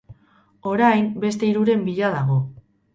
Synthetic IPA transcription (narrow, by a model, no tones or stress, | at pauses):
o̞ɾajmbe̞st̪e̞iɾuɾe̞mbiʎaðaɣo̞